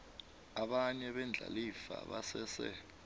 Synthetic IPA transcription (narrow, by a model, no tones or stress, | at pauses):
aɓaɲɛɓɛnd͡ɮʱalifa̰ɓasɛːsɛ̰